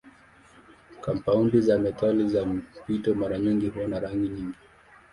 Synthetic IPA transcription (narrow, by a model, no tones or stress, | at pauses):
kampaundizamɛtalizam̩pitɔmaɾaɲiŋɡihuɔnaɾaŋɡiɲiŋɡi